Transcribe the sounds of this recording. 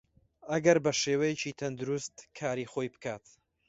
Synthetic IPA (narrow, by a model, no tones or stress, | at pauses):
ɐɡɐɾbɐʃeːwɐjɛt͡ʃiːt̪ʰɐnd̪uɾust̪kʰaːɾiːxoːjbɨ̥kʰaːt̪